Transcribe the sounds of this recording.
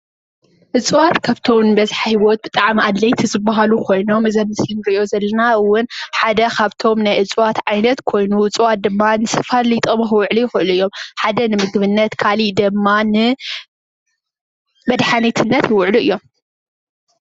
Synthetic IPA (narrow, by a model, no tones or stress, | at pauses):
ʔɨt͡sʼwat̪kʰaβt̪ʰomnbɐzħajwot̪̚bɨt̪ʼaʕmad̪lɐjt̪ʰizɨbːaɦalukʰo̞jno̞mɨzɐnːɨsɨnɡɨozɐlːɐnaɨwːʊnħad̪ɐkʰaβt̪ʰo̞mnajʔɨt͡sʼwat̪ʕajnɐt̪kʰo̞jnuɨt͡sʼwat̪̚d̪ɨmːanɨsɨ̥falit̪ʼomɨxɨwʊʕlujɪxɨʔɨluɨjːo̞mħad̪ɐnɨmɨɡɨβɨnːɐt̪kʰalid̪ɨmːanɨ | bɐd̪ħanit̪ʰɨnːɐt̪jɪwʊʕluʔɨjːo̞m